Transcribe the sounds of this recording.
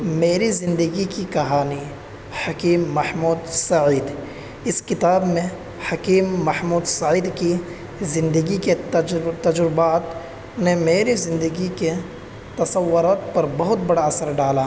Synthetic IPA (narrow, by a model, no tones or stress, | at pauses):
meːɾizɪ̃nd̪əɡikikɐɦaːni | hɐkiːmːɐhmuːd̪sɐʕiːd̪ | ɪskɪt̪aːbmẽ | hɐkiːmːɐhmuːd̪sɐʕiːd̪ki | zɪ̃nd̪əɡiked͡ʒt̪ɐd͡ʒɾɪbaːt̪ | nẽmeːɾizɪ̃nd̪əɡike | t̪ɐsɐwːʊɾaːt̪pɐɾbɐɦʊt̪̚bɐɽaɐsəɾɖaːla